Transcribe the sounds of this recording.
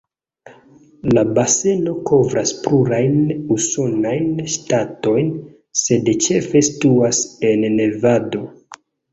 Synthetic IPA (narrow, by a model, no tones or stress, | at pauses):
labase̞no̞kʰo̞vɾʔaspluɾajnuso̞najnʃtato̞jn | se̞dt͡ʃe̞fe̞stuase̞nːevado̞